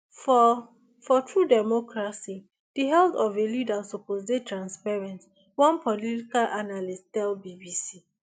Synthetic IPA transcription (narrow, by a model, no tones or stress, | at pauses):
fɔ | fɔtʰɹudɛmɔkɹasi | d̥iɦɛltɔvelidasopozdetʰɹãnspaɹɛ̃nt | wɔ̃npʰɔlitikalʔanalisttɛlbibisi